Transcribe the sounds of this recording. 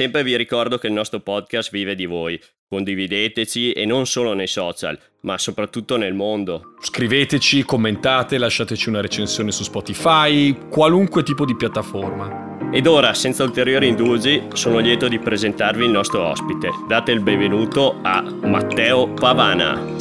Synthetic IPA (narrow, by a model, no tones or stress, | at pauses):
sɛmpɾeviɾikɔrd̪okeilnɔst̪ɾopɔd̪̚kast̪viːved̪ivoj | kond̪ivid̪eːt̪et͡ʃiḛnonsoːlonejsɔːt͡ʃa̰l | masopɾat̪ːut̪ːonelmond̪oskɾiveːt̪et͡ʃikomːent̪aːt̪elaʃːaːt̪et͡ʃiunaɾet͡ʃensjoːnesuspɔt̪ifajkwaluŋkwet̪iːpod̪ipjat̪ːaforma | ed̪oːɾasɛnt̪sault̪eɾjoːɾind̪ud͡ʒisoːnoljɛːt̪od̪ipɾezent̪arvilnɔst̪ɾoɔ̰spit̪ed̪aːt̪eilbeɱvenuːt̪oa̰ | ma̰t̪ːɛːopavaːna̰